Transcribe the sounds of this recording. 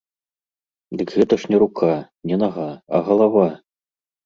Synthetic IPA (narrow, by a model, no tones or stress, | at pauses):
d̪ɨkɣɛt̪ɐʂnʲɛɾukʰa | nʲɛnaɣaɐ̰ɣɐlˠava